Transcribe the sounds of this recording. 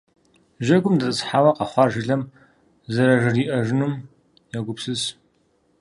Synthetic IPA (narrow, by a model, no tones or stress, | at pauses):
ʒɐɡʷʊmdɐsʼɨsħaːwɐqɐχʷɑrʒɪɮɐm | zɐɾɐʒɪriːʔɐʒɪnum | jɐɡʷʊpsɨs